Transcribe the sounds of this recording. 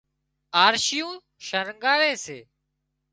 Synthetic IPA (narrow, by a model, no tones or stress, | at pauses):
aːɾʃɪjũː | ʃəɾŋɠaːɾeːseː